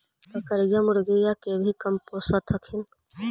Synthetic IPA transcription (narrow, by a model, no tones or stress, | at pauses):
kɐkəɾɡamʊɾɡijakebʱikɐmpoːsat̪ʰɐkʰɪn